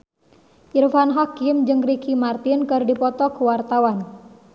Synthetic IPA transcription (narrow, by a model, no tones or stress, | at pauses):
ʔirfanɦakiəmd͡ʒɨŋɾikimart̪inkɨrdipɔt̪ɔkuwart̪awan